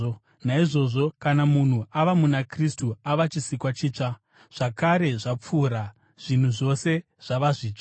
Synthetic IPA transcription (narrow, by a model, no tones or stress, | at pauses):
naiʐo̞ʐo̞kanamun̤uaʋamunakristuaʋat͡ʃisikwat͡ʃiːt͡ʂa | ʐ̥akaɾe̞ʐap͡fuːɾa | ʐ̥in̤uʐo̞se̞ | ʐ̥aʋaʐiːt͡ʂa